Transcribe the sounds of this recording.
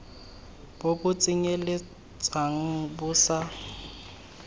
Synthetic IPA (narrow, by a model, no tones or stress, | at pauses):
b̥ʊbʊt͡sʼɪɲelɪ | t͡sʼaŋ̩bʊːsa